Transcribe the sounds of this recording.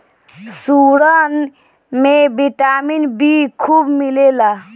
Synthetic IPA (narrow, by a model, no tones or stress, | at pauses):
suɽən | mẽbiʈaminbikʰubmilela